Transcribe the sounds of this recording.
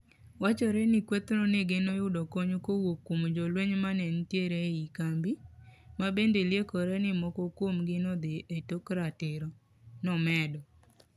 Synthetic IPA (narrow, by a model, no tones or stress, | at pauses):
wat͡ʃɔɾɛnɪkwet̪nɔneɡenojʊdɔkoɲokowokːomd͡ʒɔlweɲmanɛntjeɾeikambimabendeljekɔɾɛnɪmɔkɔkwomɡɪnɔd̪ɪʔetokɾatɪɾɔ | nɔmɛdɔ